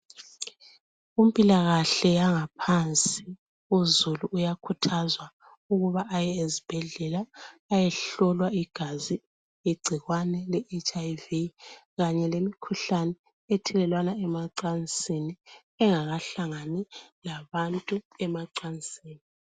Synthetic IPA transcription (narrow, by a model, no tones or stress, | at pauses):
um̩pʼilaɣaɬɛjaŋapʰant͡sʼi | uzuluʔːjakʰutʰazwa | uɣuβaʔːjɛezib̥ʱɛɮɛlaːjɛɬɔlwaiɡ̥ʱazi | iɡ͡ǀʱiɣwanɛlɛʔet͡ʃʼajvi | ɣaɲɛlemikʰuɬanɛ | etʰɛlɛlwanaɛmaǀant͡sʼini | ɛŋaɣaɬaŋanilaβantʼuɛmaǀant͡sʼiːni